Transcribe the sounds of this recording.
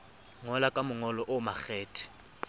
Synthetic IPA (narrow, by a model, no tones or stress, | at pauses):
ŋɔlakʼamʊŋɔlɔʔʊmak͡xɛːtʰʼɛ̥